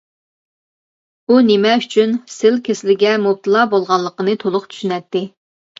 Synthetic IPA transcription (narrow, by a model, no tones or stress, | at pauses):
unɪmɛyt͡ʃʰynsɪlkʲʰesɪlɪɡʲɛmup̚t̪ʰɨlˠɑbolˠʁɑnlːˠəqənɨt̪ʰolˠʊqt͡ʃ̪ʰy̥ʃynɛt̪ːɪ